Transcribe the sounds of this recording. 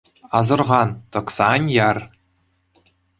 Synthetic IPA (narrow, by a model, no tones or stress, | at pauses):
ɑzɤ̆rʁɑnt̪ɤ̆ksɑnʲjɑr